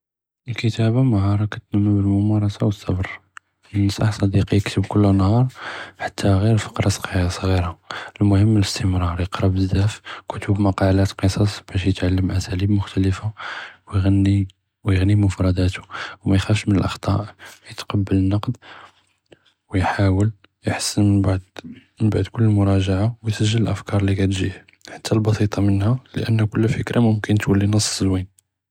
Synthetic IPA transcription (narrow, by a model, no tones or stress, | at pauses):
ʔəlkət̪æbaməɦɑɾˤɑkæt̪ːnəmːæbəlmʊmɑɾˤɑsɑwəsːɑ̰bɾˤ | ənːəsʔɑħsˤɑd̪iqijəkt̪əbkʊlːænhɑɾˤħḁt̪ʰːaɣiɾfə̥qɾˤɑsˤqijɑsˤɣiɾaəlmʊhəmːələst̪ʰəmɾˤɑɾˤjəqɾɑbəzæfkʊt̪əbmɑqɑlæt̪qəsˤɑsˤb̥æʃjət̪ʕalːəmʔæsælibmʊxt̪æləfawjɣnːi | wjəɣnimʊfɾˤɑd̪æt̪u̥wmæjxæfʃmənəlʔɑxt̪ˤɑʔjət̪qɑbːələnːɑqd̪ | wjħawəl | jəħsːənməbad̪mənbaʕd̪kʊlːəlmʊɾˤɑʒaʕawjsəʒːələlʔəfkɑɾˤlikæt̪ʒḭh | ħḁt̪ːælbɑsit̪ˤɑmənhælə̰ʔənːækʊlːfəkɾamʊmkənt̪wəlːinəsˤːzwin